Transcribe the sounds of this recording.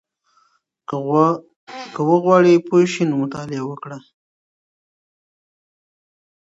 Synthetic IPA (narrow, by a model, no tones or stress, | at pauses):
kəwəɣwɑɽipojʃinomʊt̪ɑlɪawəkɽa